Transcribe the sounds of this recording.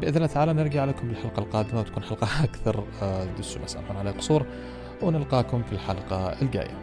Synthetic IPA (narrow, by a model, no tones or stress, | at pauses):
bʔɪðlnat̪ʕaːlamnɪɾˤɡaʕaleːkʊmbɪlħalqɑlqɑːd̪ɪmawt̪ḁkuːnħalqɑakθɑɾˤd̪ʊʃʊ̰mʔasʔa̰lħuːnʕaleːqʊ̥sˤuːɾˤ | wnɪlqɑːkʊmfilħalqɑɪlɡa̰ːja̰